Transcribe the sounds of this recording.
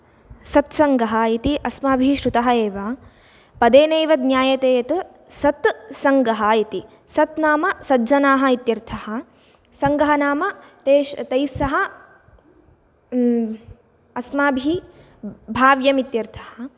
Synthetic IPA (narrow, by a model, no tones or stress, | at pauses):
sɐt̪sɐŋɡɐɦɐ̆it̪iʔɐsmaːbʱiʃɾut̪ɐɦɐeːʋaː | pɐd̪eːneːʋɐd̪njaːjɐt̪eːjɐt̪ | sɐt̪sɐŋɡɐɦɐ̆it̪i | sɐt̪naːmɐsɐd͡ʒɐnaːɦɐit̪jɐɾt̪ʰɐhɐ̆ | sɐŋɡɐɦɐnaːmɐ | t̪eːʃt̪ɐjsɐɦɐ | ɐsmaːbʱi | bʱaːʋjɐmit̪jɐɾt̪ʰɐhɐ